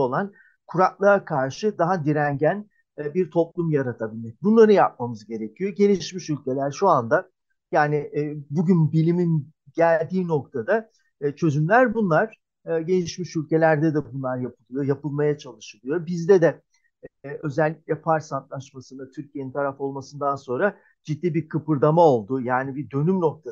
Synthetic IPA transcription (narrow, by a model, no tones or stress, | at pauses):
olˠan | kʰuɾaklˠaɾakʰaɾʃɯd̪aɦad̪iɾæɲɟænː | biɾt̪ʰo̞plˠumjaɾat̪ʰabilʲmɛc̚bunlˠaɾɯjap̚mamɯzɟe̞ɾe̞cʰijo̞ɟe̞niʃmiʃylʲce̞lʲæɾʃuand̪a | jaːniʔːbuɟynbilʲimin | ɟælʲd̪iːno̞k̚t̪ʰad̪a | t͡ʃʰø̞zymlʲæɾbunlˠaɾ̥ | ɯɟe̞niʃmiʃylʲce̞lʲæɾd̪ɛd̪ɛbunlˠaɾjapʰɯlˠɯjojapɯlˠmajat͡ʃʰalˠɯʃɯlˠɯjo̞bizd̪ɛd̪ɛ | ø̞zɛlʲːicʲlʲɛpʰaɾsant̪lˠaʃmasɯnd̪at̪ʰyɾcʰijeint̪ʰaɾafo̞lˠmasɯnd̪anso̞nɾa | d͡ʒid̪ːiːbiɾkʰɯpɯɾd̪amao̞lˠd̪ujaːnibid̪ø̞nymno̞k̚t̪ʰa